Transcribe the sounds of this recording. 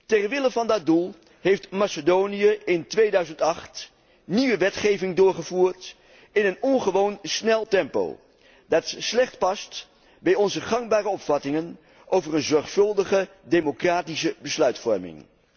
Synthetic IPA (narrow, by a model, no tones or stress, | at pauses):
tɛrʋɪləvɑndɑt̚dulˠ | ɦejftmasədownijəɪntʋejdœɥzəntɑχt | niʋəʋɛtχejvɪŋdʊːɹχəvuːɹt | ɪnənɔnχəʋownsnɛlˠtɛmpo̰w | dɑtslɛχtpɑst | bɛjɔnzəχɑŋbaːrəɔpfɑtɪŋən | ʔowvərənzɔɹχfɵlˠdəχə | demokraːtisəbəslœɥtfɔ̰ɹmɪ̰ŋ